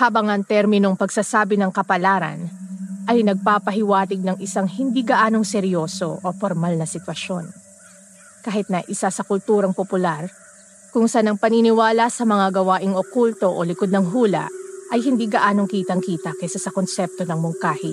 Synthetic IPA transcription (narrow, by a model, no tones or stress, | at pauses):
haːbɐŋʔɐŋt̪ɛɾmɪno̞ŋpɐɡsasaːbɪnɐŋkɐpɐlaːɾɐ̰nʔɐjnɐɡ̚paːpɐɦɪwaːt̪ɪɡ̚nɐŋɪsaŋhɪnd̪iːɡɐʔaːno̞ŋsɛɾjo̞ːso̞̰ʔofoɾmalnɐsɪt̪wɐʃo̞n | kaːhɪt̪̚nɐʔɪsasɐkʊlt̪uːɾɐŋpopʊlaɾ | kʊŋsanɐŋpɐninɪwaːlɐsɐmɐŋaɡɐwaːʔɪŋokult̪o̞ʔolɪkod̪̚nɐŋɦuːlɐ̰ʔʔɐjhɪnd̪iːɡɐʔaːno̞ŋkiːt̪ɐŋkiːt̪ɐkɛsasɐko̞nsɛp̚t̪o̞nɐŋmʊŋkaːhɪ